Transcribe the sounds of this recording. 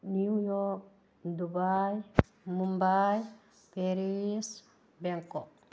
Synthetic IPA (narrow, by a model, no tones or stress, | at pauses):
niujɔk̚ | dubaj | mumbaj | peɾis | bɛŋkɔ